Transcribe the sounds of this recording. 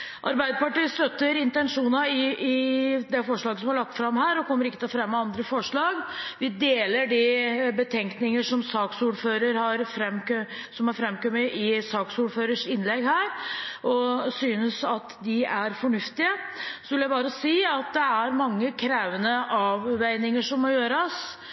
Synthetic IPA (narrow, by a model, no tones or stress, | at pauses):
ʔɑɾbæɪd̪əpɑʈiːst̪œt̪ːəɾɪnt̪ɛnʂuːnɑɪɪd̪ɛfɔʂɭɑːɡəsɔmhɑɭɑk̚t̪fɾɑmhæːɾɔkʰɔmːəɾɪkːət̪ʰɪlfɾɛmːəɑnd̪ɾəfɔʂɭɑːɡʋɪd̪eːləɖɪbət̪ʰɛŋknɪŋəʂɔmsɑːksuːɾføːɾəɾhɑɾfɾɛmksɔmhɑɾfɾɛmkœməʔɪsɑːksuːɾføːɾəʂɪnlɛɡhæːɾʔɔsyːnəsɑt̪d̪ɪæɾfɔɳʉft̪ɪəsɔʋɪljæɪbɑːɾəɔsiːɑt̪̚d̪ɛæɾmɑŋːəkʰɾæːʋənəʔɑʋːæɪnɪŋəʂɔmːɔjøːɾɑs